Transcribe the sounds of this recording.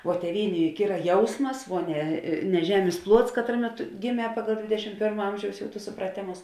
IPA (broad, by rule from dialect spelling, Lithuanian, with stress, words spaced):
oː tʲeːˈʋʲiːnʲeː ˈjʊk ˈiːrɐ ˈjɛʊsmɐs ʋuɔ nʲɛ nʲɛ ˈʒʲæːmʲeːs ˈplˠuɔts ˈkɑːtrɐˌmʲeː ˈtʊ ɡʲɪˈmʲɛː ˈpɑːɡɐlˠ ˈdʲʋʲeːdʲɛʃʲɪm ˈpʲeːrmɐ ˈɐmʲʒʲɛʊs ˈjɛʊ tʊs sʊprɐˈtʲeːmʊs